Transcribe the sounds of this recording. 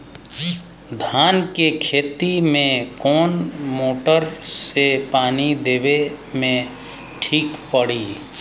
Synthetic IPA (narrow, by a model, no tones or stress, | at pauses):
d̪ʱaːnkekʰeːt̪imẽkɔːnmoːʈəɾsepaːnid̪eːbe | mẽ | ʈʰiːkpəɽiː